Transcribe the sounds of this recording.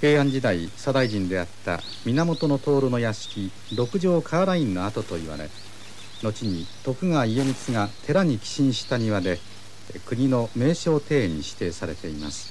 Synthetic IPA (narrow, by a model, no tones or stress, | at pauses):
ke̞ːãɲ̟d͡ʑid̪aisad̪aiʑĩnd̪e̞at̪ːa̰ | mʲinamo̞t̪o̞no̞t̪o̞ːɾono̞jaɕi̥kʲi | d̪o̞kɯ̟ʑo̞ːkʰaːɾaĩnːo̞at̪o̞t̪o̞iβa̰ɾe̞̰ | no̞t͡ɕiɲ̟it̪o̞kɯ̟ŋaie̞mʲit͡sɨɡat̪ʰe̞ɾaɲ̟ikʲi̥ɕĩɰ̃ɕi̥t̪aɲ̟iβad̪e̞ | kɯ̟ɲ̟ino̞me̞ːɕo̞ːt̪e̞ːɲ̟iɕi̥t̪e̞ːsaɾe̞t̪e̞ima̰sɨ̥